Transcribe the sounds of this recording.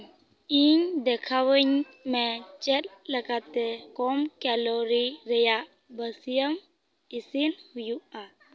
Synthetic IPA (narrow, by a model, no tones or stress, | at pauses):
iɲd̪ɛkʰaʋəɲ | mẽt͡ʃɛt̪ləkat̪ekɔmkɛlɔɾiɾəjaʔ | bəsijəm | isinhujua